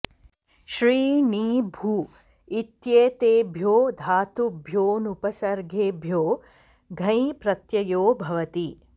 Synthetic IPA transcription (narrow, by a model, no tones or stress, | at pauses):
ʃɾiːniːbʱuː | it̪jeːt̪eːbʱjoːd̪ʱaːt̪ubʱjoːnupɐsɐɾɡʱeːbʱjoː | ɡʱɐ̃ĩpɾɐt̪jɐjoːbʱɐʋɐt̪i